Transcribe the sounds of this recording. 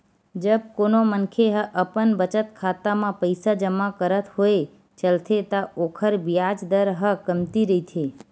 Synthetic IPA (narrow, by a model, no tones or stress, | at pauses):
d͡ʒəb̚konomənkʰeɦəʔəpənbət͡ʃət̪kʰat̪amãpəjsad͡ʒəmakəɾət̪hoe | t͡ʃəlt̪ʰet̪aokʰəɾbijad͡ʒd̪əɾɦəkəmt̪iɾəit̪ʰe